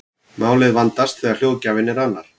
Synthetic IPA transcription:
maːwlɪðvant̪ast̪θɛːɣal̥joːwcaːvɪnːɪɾanːaɾ̥

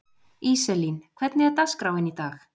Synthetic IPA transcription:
isɛlinkʰvɛt̪nɪɛɾt̪askɾaːwvɪnit̪aːx

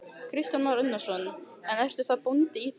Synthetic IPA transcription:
kʰɾist̪janvaɾʏnːḁsvɔnʏ | ɛnɛr̥t̪ʏ̥θaðpunt̪ɪiθ

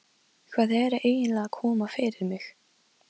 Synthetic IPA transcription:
kʰvaːðɛɾʔeːjɪnlɛːɣakʰɔːmafɪɾɪɾmɪx

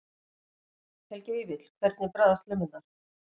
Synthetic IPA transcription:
hɛlcɪivɪt̪l̥kʰvɛɾt̪nɪpɾaːðast̪lɪmɪnaɾ̥

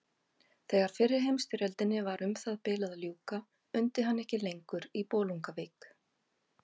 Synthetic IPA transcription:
θɛɣaɾ̥fɪrːɪɾ̥ɦejmst̪ʏɾɛlt̪ɪnːɪvaɾʔʏmθaðpɪːlaðljuːka | ʏnt̪ɪɦanːɛhcɪlejŋkʏɾipɔːluŋkaveːk

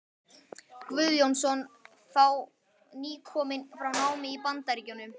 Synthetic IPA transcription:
kvʏðjownsɔn | θaw | niːkʰɔːmɪnfɾawnaːwmɪipant̪aɾiːcʏnːʏm

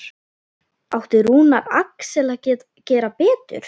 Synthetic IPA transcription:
awht̪ɪɾuːnaɾa̰ksɛla | cɛːɾapɛːt̪ʏ̰ɾ̥

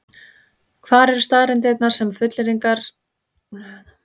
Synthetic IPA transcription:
kʰvaːɾɛɾ̥st̪aːðɾɛnt̪̬ɪɛt̪naɾ̥sɛmfʏt̪lɪɾiŋkaɾ̥

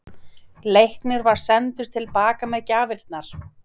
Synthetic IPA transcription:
lejhknɪɾvaɾ̥sɛnt̪ʏɾ̥t̪ʰɪlpaːkamɛðcaːvɪɾt̪naɾ̥

